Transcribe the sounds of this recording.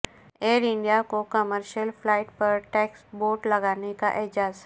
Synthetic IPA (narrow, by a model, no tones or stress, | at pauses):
eːɾɪ̃ɳɖijakokɐməɾʃəlplaːɪʈpɐɾʈɛːksboːʈlɐɡaːneka̰ʔɪɦd͡ʒaːz